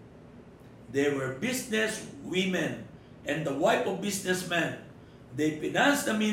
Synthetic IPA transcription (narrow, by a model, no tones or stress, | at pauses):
d̪ɛɹwɛɹbisnɛswɪmɛ̃n | ʔɛ̃nd̪ɐwajpɔvbisnɛsmɛ̃n | d̪ejpɪnãnsd̪ɐmĩ